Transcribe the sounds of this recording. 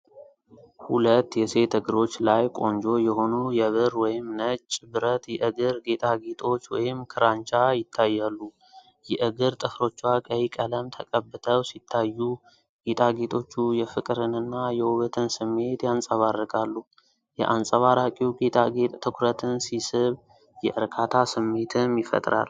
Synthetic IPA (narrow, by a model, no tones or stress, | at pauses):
hulət̪ːjɛse̞t̪ʰɨɡɨɾo̞t͡ʃːlajkʼo̞nd͡ʒo̞jɛho̞nujɛβɨɾwɔjɪmnət͡ʃʼːbɨɾət̪jɛʔɨɡɨɾɡe̞t̪ʼaɡet̪ʰʼo̞t͡ʃːwɔjɪmkʰɨɾant͡ʃʼajɪt̪ʰːajːalːu | jɛʔɨɡɨɾt̪ʼɨfɾo̞t͡ʃːwakʼəjikʼələmt̪ʰəkʼəbːɨt̪ʰəwsit̪ʰːajːu | ɡet̪ʼaɡe̞t̪ʰʼo̞t͡ʃːujɛfɨkʼɾɨnɨnːajɛwuβət̪ʰɨnsɨmːe̞t̪jansʼəβarːɨkʼalːu | jɛ̰ʔansʼəβaɾakʼiuɡet̪ʼaɡe̞t̪ʼt̪ʰɨkʰʷɾət̪ʰɨnsisɨβ | jɛʔɨɾkʰat̪ʰasɨmːe̞t̪ʰɨnjɪfə̰t̪ʼɾa̰l